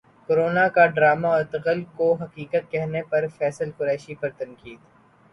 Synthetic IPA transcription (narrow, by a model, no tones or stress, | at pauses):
koɾoːnakaɖɾaːmaɔɾt̪ɐqəlkoɦɐqiːkət̪̚kɛɦnepɐɾfɛːsəlkʊɾɛːʃipɐɾt̪ɐ̃nkiːd̪